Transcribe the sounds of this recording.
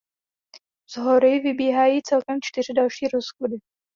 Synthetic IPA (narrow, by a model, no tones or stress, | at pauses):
z̥ɦoɾɪvɪbiːɦaːjiːt͡sɛlkɛmt͡ʃt̪ɪrɪdalʃiːɾosxodɪ